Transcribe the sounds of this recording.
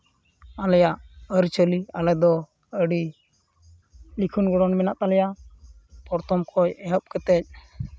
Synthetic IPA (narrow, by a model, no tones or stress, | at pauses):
alɛjaʔəɾt͡ʃəlialɛd̪ɔ | əɽi | likʰunɡɔɽɔnmɛnaʔt̪alɛjaʔ | pɔɾt̪ɔmkʰɔjɛɦəp̚kɛt̪ɛc̚